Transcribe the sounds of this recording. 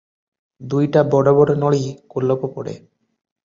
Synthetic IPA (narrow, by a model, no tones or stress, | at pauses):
d̪ujʈabɔɽobɔɽonɔɭikolːopopoɽḛ